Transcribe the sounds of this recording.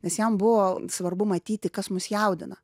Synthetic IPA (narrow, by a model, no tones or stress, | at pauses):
nʲɛsjɛmbʊʋoːsʋɐrbʊmɐt̪ʲiːt̪ʲɪkɐsmʊsjɛʊd̪ʲɪnɐ